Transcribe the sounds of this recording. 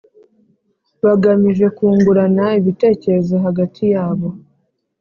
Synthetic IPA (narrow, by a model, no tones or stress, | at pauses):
βaɡamiʒe̞kuːŋɡuɾanaiβite̞ːce̞ɾe̞zoɦaɡatʰijaːβo̞